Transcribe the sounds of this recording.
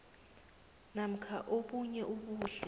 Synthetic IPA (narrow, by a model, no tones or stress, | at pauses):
nam̩kʰaʔokuɲɛʔuɓuːɬɛ